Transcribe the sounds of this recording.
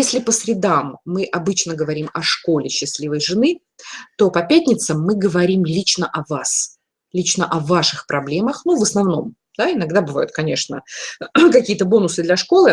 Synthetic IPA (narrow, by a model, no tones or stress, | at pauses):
jesʲlʲɪpəsɾʲɪd̪amːɨʔɐbɨt͡ɕnəɡəvɐɾʲimɐʂko̞lʲɪɕːɪsʲlʲivəjʐɨnɨ | t̪o̞pɐpʲæt̪ʲnʲɪt̪səmːɨɡəvɐɾʲimlʲit͡ɕnəʔɐvas | lʲit͡ɕnəʔɐvaʂɨxpɾʔɐblʲe̞məxnuvəsnɐvno̞m | d̪̥aɪnɐɡd̪abɨva̰jʊt̪̚kɐnʲe̞ʂnə̰ | kɐkʲijət̪əbo̞nʊsɨd̪lʲɐʂko̞lˠɨ